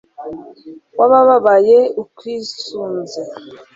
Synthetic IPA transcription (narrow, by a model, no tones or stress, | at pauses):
waβaβaβajeukwiːsuːnze